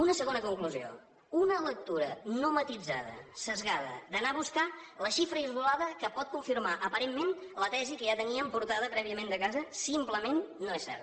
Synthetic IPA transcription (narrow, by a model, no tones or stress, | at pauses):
unəsəɣonəkuŋkluzio̰ | unələk̚t̪uɾənomət̪id͡zaðə̰səzɣað̞ə̰d̪ənaβuskaləʃifɾəizɣulaðəkəpɔt̪̚kuɱfiɾmaʔəpəɾemːenlət̪ɛzikəʒat̪əniəmpuɾt̪aðəpɾɛβiəmẽnd̪əkazəsimpləmenːoesɛ̰ɾt̪